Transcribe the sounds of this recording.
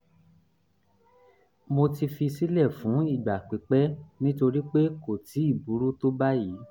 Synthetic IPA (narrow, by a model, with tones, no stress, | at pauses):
mo˧ti˧fi˧si˦lɛ˦˨fũ˨˦i˦˨ɡ͡ba˨k͡pi˨˦k͡pɛ˦nĩ˦to˧ɾi˦k͡pe˦ko˨tʰi˨˦i˦˨bu˨˦ɾu˦to˦ba˦jiː˨˦